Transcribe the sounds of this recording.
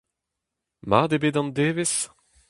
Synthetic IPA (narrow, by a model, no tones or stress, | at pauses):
mad̪ebedɑ̃nd̪eːves